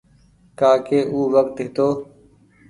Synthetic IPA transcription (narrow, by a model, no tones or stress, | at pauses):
kaːkeːʔuːʋəkt̪ɪːt̪oː